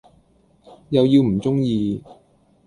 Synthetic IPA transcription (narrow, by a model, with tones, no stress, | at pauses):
jɐ˨wjiː˧wm̩˨˩t͡sʊ˥ŋjiː˧